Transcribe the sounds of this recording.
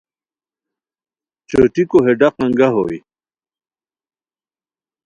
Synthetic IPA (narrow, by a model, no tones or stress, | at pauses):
t͡ɕoʈikoɦeɖaqɐŋɡaɦo̰j